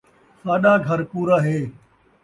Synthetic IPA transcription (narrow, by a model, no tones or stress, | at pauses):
saːɗaːɡʱɐɾkuːɾaːɦeː